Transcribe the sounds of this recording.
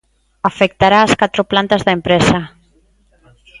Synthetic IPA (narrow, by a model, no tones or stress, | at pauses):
afek̚t̪aɾaːskat̪ɾoplant̪azðaempɾɛsa